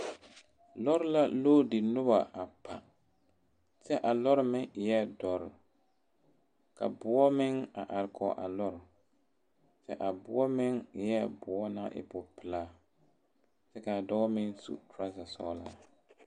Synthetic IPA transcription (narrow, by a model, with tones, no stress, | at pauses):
lɔ˦ɾɪ˦la˦loː˦dɪ˨nʊ˦ba̰˨ʔa˨pʰa˨ | sɛ˦ʔa˨lɔ˦ɾɪ˦mɪ˦ŋɪ˨jɛ˦dɔ˨ɾɪ˨ | ka̰˨bʊ˦ɔ˦mɪ˦ŋa˨ʔa˨ɾɪ˦kʰɔ̰˦ʔa̰˨lɔ˦ɾɪ˨ | sɛ̰˦ʔa˨bʊ˦ɔ˦mɪ˦ŋɪ˨jɛ˦bʊ˨ɔ˦na̰˦ʔɪ̰˨pʊ˨pɪ˨laː˦ | sɛ˦ka˨dɔ˦ɣmɪ˦ŋsṵ˦tɾa˦sa˨sɔ̰ː˦la̰˦˨